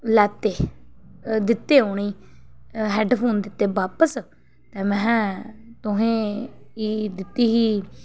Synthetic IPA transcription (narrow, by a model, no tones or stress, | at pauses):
lɛːt̪eː | d̪ɪt̪ːeːoːniː | ɦɛːɖpʰoːnd̪ɪt̪ːeːbaːpəs | t̪eːmɛ̃ːt̪ʊɦẽːiːd̪ɪt̪ːiːɦiː